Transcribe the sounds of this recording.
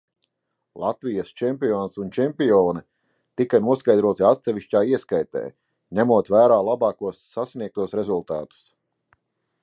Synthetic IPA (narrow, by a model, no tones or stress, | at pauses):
lˠat̪vijɐst͡ʃɛmpiɔːnsunt͡ʃɛmpijɔːni | t̪ikanuɔskajd̪ɾuɔt̪iat̪sɛʋiʃcʲaːiɛskajt̪ɛ̰ː | ɲæmuɔt̪væːɾaːlˠabɑːkuɔsːasniɛk̚t̪uɔsɾezulˠt̪a̰ːt̪u̥s